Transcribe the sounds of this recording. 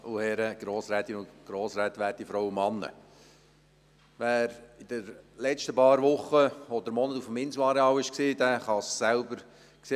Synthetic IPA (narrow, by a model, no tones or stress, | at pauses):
uhɛɾəɡ̥ɾoːsɾæt̪inʊnɡ̥ɾoːsɾæt̪ʋæːtifɾɔwʊmɑnːə̰ | ʋæːɾɪd̪əɾlɛt͡ʃtəpɑːɾʋʊχəɔd̪əɾmɔnət̪ufəmɪnsuɑɾeɑːwɪʃksiːd̪æχɑsːælbəɾ | kse